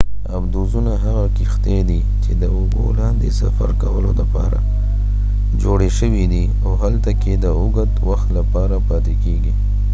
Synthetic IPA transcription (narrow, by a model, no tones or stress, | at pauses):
abd̪ozunaɦaɣakixt̪ed̪i | t͡ʃed̪əʊbo̰lɑnd̪esa̰fa̰ɾkawəlod̪əpɑ̰ɾa̰ | d͡ʒoɽeʃəwid̪i | awɦalt̪aked̪əʊɡət̪waxt̪lapɑɾapɑt̪ekeɡi